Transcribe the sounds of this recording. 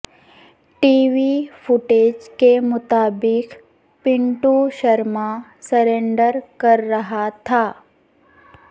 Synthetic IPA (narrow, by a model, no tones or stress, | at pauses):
ʈiːʋifʊʈeːd͡ʒkemʊt̪aːbɪk | pɪ̃ɳʈuʃɐɾmasɐɾẽːɳɖəɾkɐɾːɐɦat̪ʰaː